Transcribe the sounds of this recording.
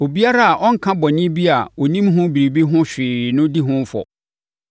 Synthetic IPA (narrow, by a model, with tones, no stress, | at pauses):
o˨bi˦a˦ɾa˦a˨ʔɔ̃˦ŋ̩˨kʰã˦bɔ˨ɲɪ̃˦bi˦a˨wɔ˨nĩ˦mɦʊ̃˦bi˨ɾi˨bi˦ɦʊ̃˦ɕᶣɪː˨nʊ̃˦di˦ɦʊ̃˦m˦fɔ̰˨